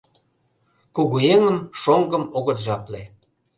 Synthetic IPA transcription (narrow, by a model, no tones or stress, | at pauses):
kuɣueŋəmʃoŋɡəmoɣət̪ʒɑple